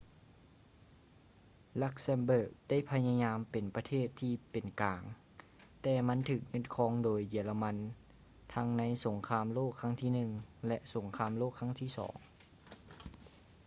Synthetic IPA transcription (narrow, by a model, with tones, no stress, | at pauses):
la˧˥˩k̚sɛ˧nbɤː˧˩k̚d̥a˥˨jpʰa˧ɲa˧ɲaː˧mpe˨˩npa˧t̪ʰeː˥˩t̪ʰːiː˧pe˨˩nkaː˨˩ŋ | t̪ɛː˧˩ma˧˥nt̪ʰɯː˧˩k̚ɲɤ˧˥˨nkʰɔː˧˥ŋdoː˨jːi˨˩˦əla˧ma˧˥n | t̪ʰa˧˥ŋna˧˥jso˩˦ŋkʰaː˧˥mloː˥˩kʰːa˧˥ŋt̪ʰiː˧˩nɯ˨˩ŋlɛ˧ʔso˩˦ŋkʰaː˧˥mloː˥˩kʰːa˧˥˨ŋt̪ʰiː˧˥˩sɔ̰ː˩˦ŋ